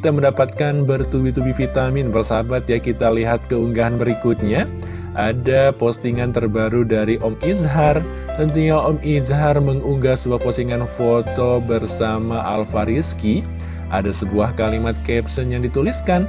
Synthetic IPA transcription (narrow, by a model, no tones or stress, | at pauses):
kit̪aməndapat̪̚kanbərt̪uwit̪ubifit̪amɪnbərsabat̪̚jakit̪aliɦat̪̚kəuŋɡaɦanbəɾikut̪̚ɲa | ʔadapost̪iŋant̪ərbaɾudaɾiʔɔmizɦar | t̪ənt̪uɲaʔɔmizɦarməŋuŋɡahsəbuahpɔst̪iŋanfot̪obərsamaʔa̰lfaɾiski | ʔa̰dasəbuahkalimat̪̚kɛpsənjaŋdit̪uliskan